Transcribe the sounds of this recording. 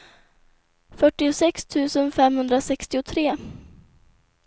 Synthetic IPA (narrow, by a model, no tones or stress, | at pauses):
fœʈːɪʊsɛkst̪ʰʉ̟ːsənfɛmhɵnd̪ɾasɛkst̪ɪʊt̪ʰɾeː